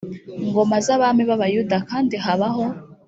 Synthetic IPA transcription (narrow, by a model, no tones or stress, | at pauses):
ŋɡo̞mazaβamiβaβajudakaːndiɦaβaɦo